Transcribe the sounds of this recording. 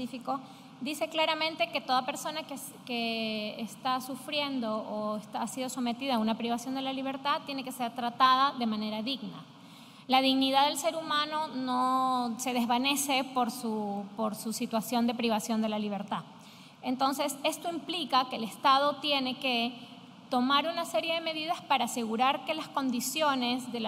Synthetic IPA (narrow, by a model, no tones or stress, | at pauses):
ifiko̞ | d̪ise̞klaɾamẽnt̪e̞ke̞t̪o̞ðape̞ɾso̞nake | keːst̪asufɾje̞nd̪o̞oest̪aasið̞o̞so̞me̞t̪ið̞aːunapɾiβasjo̞nd̪e̞laliβ̞e̞ɾt̪at̪je̞ne̞ke̞se̞ɾt̪ɾat̪að̞aðe̞mãne̞ɾaðiɣna̰ | laðiɣniðaðe̞lse̞ɾumãnono̞se̞ð̞e̞zβane̞se̞po̞ɾsupoɾsusit̪wasjo̞nd̪e̞pɾiβ̞asjo̞nd̪e̞laliβ̞e̞ɾt̪a | ent̪o̞nse̞se̞st̪o̞implikake̞ːlest̪að̞o̞t̪je̞ne̞ke̞ | t̪o̞maɾunase̞ɾje̞ðe̞me̞ðiðaspaɾaːse̞ɣuɾaɾke̞lasko̞nd̪isjo̞ne̞zðe̞l